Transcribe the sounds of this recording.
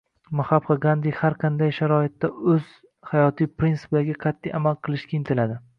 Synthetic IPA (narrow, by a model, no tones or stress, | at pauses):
mʊhabqɑɡand̪ɪhaɾqʰɑnd̪ajʃaɾɒɪt̪ːaɵz̥ | hajɒt̪ʰijpɾinsɪ̥plaɡʲaqʰɑt̪ʰːijamalˠqʰɨlˠɪʃkʲaɪnt̪ʰɪlad̪ɪ